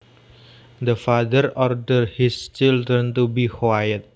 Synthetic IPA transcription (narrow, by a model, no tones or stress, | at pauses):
d̪əfaðəɾɔrdərhist͡ʃildɾənt̪ubihwajət̪̚